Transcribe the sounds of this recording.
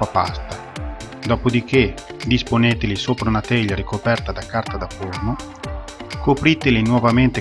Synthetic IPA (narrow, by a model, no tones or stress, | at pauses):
apa̰st̪a | d̪ɔːpod̪ik̟e | d̪isponeːt̪elisopɾaunat̪ɛʎːaɾikopɛrt̪ad̪akːart̪ad̪apːorno | kopɾit̪elinwɔvament̪e